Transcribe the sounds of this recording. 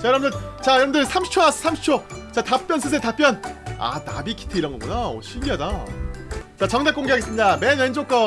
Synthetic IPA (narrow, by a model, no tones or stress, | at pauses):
t͡ɕajʌɾʌbmndɯt͡ɕajʌɾʌbɯndɯɭsʰamɕʰt͡ɕʰonasʰɯ̥sʰamɕi̥t͡ɕʰot͡ɕatap͈̚jʌnsʰɯs̬ʰetap̚p͈jʌna̰na̰bikʰi̥tʰɯiɾʌŋɡʌŋɡʌnao̰ɕʰimɡiɦada | t͡ɕat͡ɕʌŋdek͈oŋɡeaɡe̞s͈ɯmɲidamenmend͡ʑok͈ʌ